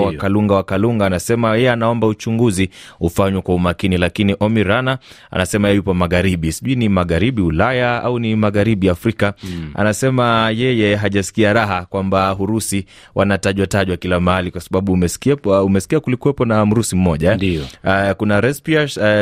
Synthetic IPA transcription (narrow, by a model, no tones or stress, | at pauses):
wakaluŋɡawakaluŋɡaːnasɛmajɛjɛanaɔmbaut͡ʃuŋɡuziufaɲwɛkwaumakinilakiniʔɔmiɾanaa̰nasɛmajɛɛjupɔmaɣaɾiɓisiʄuinimaɣaɾiɓiulajaa̰unimaɣaɾiɓiafɾikaa̰nasɛmajɛjɛɦaʄasi̥kiaɾaɦakwambaɦuɾusi | wʔanataʄwataʄwakilamaalikwasaɓaɓumɛ̥kumɛsi̥kiakulikuwɛpɔnam̩ɾusim̩mɔʄaɛikunaɾɛspia